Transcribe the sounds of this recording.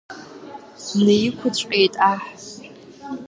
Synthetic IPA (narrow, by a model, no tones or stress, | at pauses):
nejɪkʷʰʊt͡ɕʷʼqʼejtʼaħ